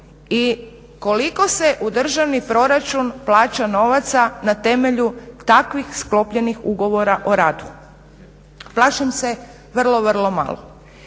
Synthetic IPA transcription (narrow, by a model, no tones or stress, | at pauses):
i | ko̞likose̞ʔud̪r̩ʒaʋnipɾo̞ɾat͡ʃunplaːt͡ʃano̞ʋat̪sanat̪e̞me̞ʎut̪akʋixsklo̞pʎe̞nixuɡo̞ʋo̞ɾaʔoɾaːd̪u̥ | plˠaːʃamse | ʋr̩lˠo̞ʋər̩lˠo̞ma̰lˠo̰